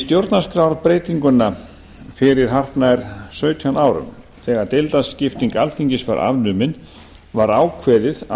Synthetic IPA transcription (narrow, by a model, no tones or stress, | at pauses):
st̪jowɾt̪naskɾawɾpɾeːjt̪iŋkʏnːa | fɪɾɪɾ̥ɦar̥t̪naɛɾ̥sœːɥt̪ʰiawnaːwɾʏ̰m | θɛːɣaɾt̪elt̪ascɪft̪iŋkalfiɲcɪsfa̰ɾʔa̰vnʏːmɪn | vaɾaːwkʰvɛːðɪð